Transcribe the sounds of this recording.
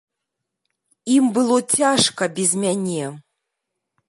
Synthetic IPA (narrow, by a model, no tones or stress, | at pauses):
imbɨlˠɔt͡sʲaʂkɐbʲɛzʲmʲanʲɛ